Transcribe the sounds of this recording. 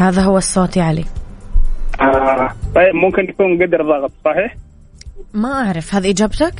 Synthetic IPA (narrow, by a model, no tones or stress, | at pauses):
haːðaɦʊwːɑsˤːɑːt̪ˤiʕalḭː | ʔat̪ˤɑjːɪbmʊmkɪnt̪akuːnɡad̪ɑɾˤðˤɑɣɑt̪ˤsˤɑħiːħ | maʔaʕɾɑfhaːðiʔɪd͡ʒaːbt̪ak